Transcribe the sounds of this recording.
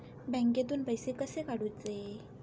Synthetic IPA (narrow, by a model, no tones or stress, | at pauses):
bɛ̃ŋket̪̬uːnpəjsekəsekaɽuːt̪d͡zae